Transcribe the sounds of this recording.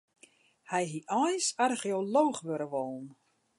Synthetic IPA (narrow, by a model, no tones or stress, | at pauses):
hɛjɦiʔɔjsarχeoloːχʋøɾəʋɔlˠn̩